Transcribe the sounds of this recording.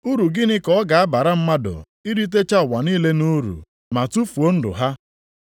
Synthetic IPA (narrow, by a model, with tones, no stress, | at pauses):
u˦ɾu˨ɡɪ˦nɪ˦kɔ˦ɔ˦ɡa˨a˦ba˨ɾa˦m̩˦ma˦dʊ̰˨ | i˦ɾi˦t̬e˦t͡ʃa˦˨wa˨niː˦le˦nu˦ɾṵ˨ | ma˨tu˦fu˨o˦n̩˦dʊ̰˨ɦa˦